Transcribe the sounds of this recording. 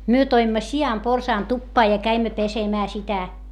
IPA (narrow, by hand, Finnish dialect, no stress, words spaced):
myø toimːɑ siɑmporsɑːn tupːɑː jɑ kæimːæ pesemæː sitæ